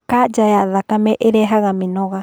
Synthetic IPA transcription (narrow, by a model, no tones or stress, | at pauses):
kad͡ʒajaʔðakameʔeɾeɦaɣaminoɣa